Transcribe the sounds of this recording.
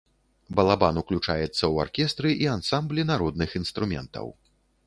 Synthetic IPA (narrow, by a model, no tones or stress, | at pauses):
bɐlˠabanuklʲut͡ʂa̰jɛt̪sːɐwa̰rkʲɛst̪ɾɨʔiansamblʲinaɾɔd̪nɨxinst̪ɾumʲɛ̰nt̪ɐ̰w